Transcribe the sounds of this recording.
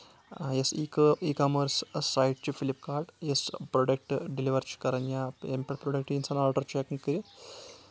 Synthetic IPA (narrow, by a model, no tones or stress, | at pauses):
jesiːkɨiːkɐmɐrssɐjʈt͡ʃɨfilip̚kaːɾɖjesproɖɐk̚ʈɨɖiliʋɐrt͡ʃɨ̥kɐrɐɲːaempɐʈproɖɐk̚ʈinsɐnaːlʈɐrt͡ʃekːɐkiɾi